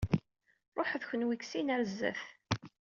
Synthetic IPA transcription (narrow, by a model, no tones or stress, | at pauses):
ɾˤoħðçənwiksinæɾzːə̰θ